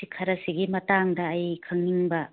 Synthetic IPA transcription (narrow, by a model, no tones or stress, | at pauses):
ikʰɐɾɐsiɡimɐtaŋdɐːjkʰɐŋniŋbɐ